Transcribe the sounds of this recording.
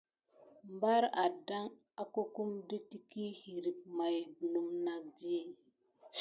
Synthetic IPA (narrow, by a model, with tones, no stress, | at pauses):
mba˦ɾa˨da˦ŋ | a˦ko˦ku˦mdə˦ti˦ki˦hi˨ɾi˨p̚ma˨jbu˨lu˨mna˨k̚d͡ʒi˦˨